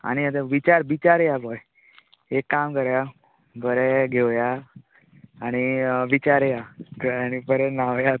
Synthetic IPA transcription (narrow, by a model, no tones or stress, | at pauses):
a̰niət̪eʋit͡ʃaɾʋit͡ʃaɾjakɔj | ekːamkəɾja | bʱəɾɛɡeʋja | əniʋit͡ʃaɾjakəanibʱəɾɛnaʋja